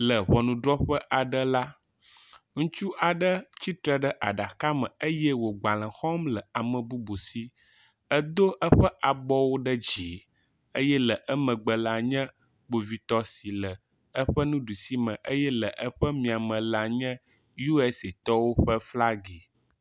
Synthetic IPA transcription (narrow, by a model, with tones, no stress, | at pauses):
lə˨βɔ˨nũ˨ɖɾɔ˦ɸə˦ʔa˨ɖə˦la˦ | ŋũ˦t͡ʃu˦ʔa˨ɖə˦t͡ɕi˦t̪ɾə˦ɖə˦ʔa̰˨ɖa˨ka˦mə̃˨ə˦jɛ˦wo˨ɡ͡ba˨l̃ə̃˨xɔ˦mlə˨a˨mə̃˨bu˦bo˨si˦ | ə˦d̪o˦ʔə˦ɸə˦ʔa˨bɔ˦wo˦ɖə˦d͡ʑi˨˦ | ə˦jɛ˦lə˨ʔə˦mə̃˨ɡ͡bə˨la˨ɲɛ̃˦ | ɡ͡bo˨vi˨t̪ɔ˦si˨lə˨ | ə˦ɸə˦nũ˦ɖu˨si˦mə̃˨ʔə˦jɛ˦lə˨ʔə˦ɸə˦mĩ˨a˨mə̃˨la˨ɲɛ̃˦ | ju˦ɛ˦se˨t̪ɔ˦wo˦ɸə˦fla˦ɡi˨